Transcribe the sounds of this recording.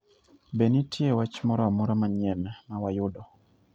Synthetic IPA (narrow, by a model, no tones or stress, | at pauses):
benitʰjewat͡ʃmɔɾɔamuɾamaɲɛmɛmawajʊdɔ